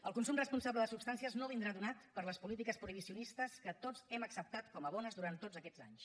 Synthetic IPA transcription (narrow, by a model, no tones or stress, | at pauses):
əlˠkunsumrəspunsabləðəsupst̪ansiəznoβind̪ɾaðunat̪pəɾləspulit̪ikəspɾuiβ̞isiunist̪əskət̪od͡zɛməksəp̚t̪at̪kɔməβ̞ɔnəzðuɾant̪ːod͡zəkɛ̥za̰ɲs